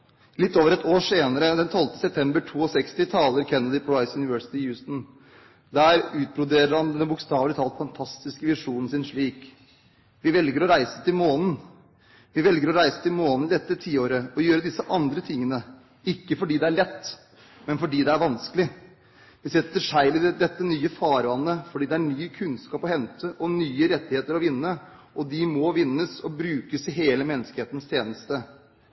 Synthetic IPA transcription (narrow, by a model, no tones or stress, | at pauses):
lɪt̪ːoːʋəɾɛt̪ʰoːʂeːnəɾəd̪ɛnt̪ʰɔlt̪ə̥sɛp̚t̪ʰɛmbəʈʰuːɔsɛkst̪ɪt̪ʰɑːləɾkʰɛnːəd̪ɪpʰɔlaɪsjʉnɪʋɜːsɪ̥t̪ɪjʉːst̪n | d̪æːɾʉːt̪̚bɾʊd̪eːɾəɾhɑnd̪ɛnbʊkst̪ɑːʋlɪt̪ʰɑlt̪fɑnt̪ʰɑst̪ɪskəʋɪʂuːnn̩sɪnʂɭiːk | ʋɪʋɛlɡəɾɔɾæɪsət̪ʰɪlmoːnn̩ | ʋɪʋɛlɡəɾɔɾæɪsə̥t̪ʰɪlmoːnnld̪ɛt̪ːət̪ʰiːoːɾəɔjøːɾəd̪ɪsːəʔɑnd̪ɾət̪ʰɪŋːənə | ɪkːəfɔɖiːd̪ɛæɭɛt̪ː | mɛnfɔɖiːd̪ɛæɾʋɑnskəlɪ | ʋɪsɛt̪ːəʂæɪlɪd̪ɛt̪ːənyːəfɑːɾʋɑnːəfɔɖiːd̪ɛæɳyːkʰʉnskɑːpɔhɛnt̪ʰəʔɔnyːəɾɛt̪ːɪheːt̪əɾɔʋɪnːə | ʔɔd̪ɪmɔʋɪnːəsɔbɾʉːkəsɪɦeːləmɛnːəskəheːt̪n̩st̪ʰjeːnəst̪ə